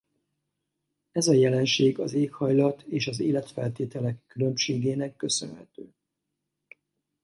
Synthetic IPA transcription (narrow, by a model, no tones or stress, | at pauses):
ɛzɒjɛlɛnʃeːɡɒzeːkhɒjlɒt̪ʰeːʃɒzeːlɛt̪fɛ̰lt̪eːt̪ɛlɛkːylø̞mʃeːɡeːnɛkːø̞sønhɛ̰t̪øː